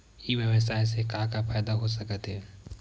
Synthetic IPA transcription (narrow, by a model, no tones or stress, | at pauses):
iʋjəʋəsaːjs̬ekãkafaːd̪aɦosɐkət̪ɦɛː